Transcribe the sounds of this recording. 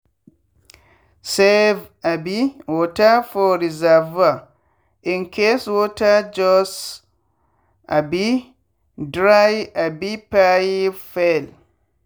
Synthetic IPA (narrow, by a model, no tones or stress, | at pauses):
sɛvabiwɔtafɔɾizava | ʔinkʰeswɔtad͡ʒɔs | ʔabi | dɾajabipajifɛl